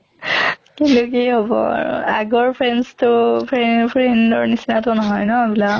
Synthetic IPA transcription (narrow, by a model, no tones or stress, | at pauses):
kilokejɦɔbɔ̰a̰ɹṵaɡɔɹpʰɹenstʊpʰɹepʰɹendɔɹnisinatʊnɔɦɔjnɔbila